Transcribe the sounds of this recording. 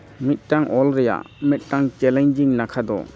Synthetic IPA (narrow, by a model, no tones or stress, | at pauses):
mit̚taŋʔɔlɾija̰ | mit̚taŋt͡ʃɛlɛɲd͡ʒiŋlakʰad̪ɔ̰